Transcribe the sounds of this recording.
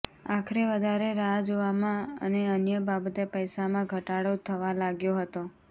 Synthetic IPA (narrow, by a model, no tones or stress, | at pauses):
akʰəɾeʋəd̪ʱaɾeɾad͡ʒoʋamãə̰neənjəbabət̪epəjsamãɡʱəʈaɽot̪ʰəʋalaɡjoɦət̪o